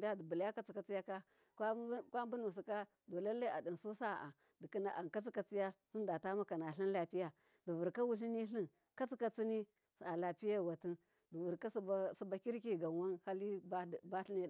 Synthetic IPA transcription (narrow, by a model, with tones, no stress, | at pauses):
bʲa˦di˨bu˨lja˦ka˦t͡si˨ka˨t͡si˦ja˦ka˦ | kkʷa˦m˦bu˦nu˨s̬i˨ka˦ | do˨la˦lːa˦a˨di˨nsu˦sa˦˨a˨ | di˨ki˦na̰˨ʔa˨n˨ka˦t͡si˦ka˨t͡si˦ja˦ɬi˦nda˨ta˦ma˦ka˨na˨ɬi˦n˦la˨pi˦ja˨ | di˨vu˨ɾka˦wu˦ɬi˦ni˦ɬi˦n | ka˦t͡si˦ka˨t͡si˦ni˦˨ | a˨la˨pi˦ja˦˨wa˨ti˦n | du˨vu˨ɾka˦ssi˦ba˨ki˦ɾki˦ɡa˨nwa˦nha˦li˦˨ba˦ɬi˦ni˦˨